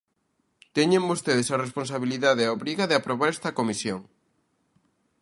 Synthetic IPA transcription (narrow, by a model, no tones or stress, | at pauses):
t̪eɲẽmbost̪eðesarespons̬aβiliðaðeaoβɾiɣaðeapɾoβaɾɛst̪ɐkomisjoŋ